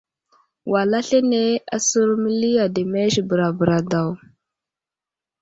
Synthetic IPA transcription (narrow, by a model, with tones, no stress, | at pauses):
wa˨la˦ɬe˦ne˦a̰˨su˦ɾmə˦li˦ja˨de˨me˦ʃbə˨ɾa˨bə˨ɾa˨da˨w